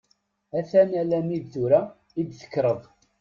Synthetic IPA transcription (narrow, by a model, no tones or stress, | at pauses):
æθænælæmiðθuɾa | id̪θə̥kːɾəðˤ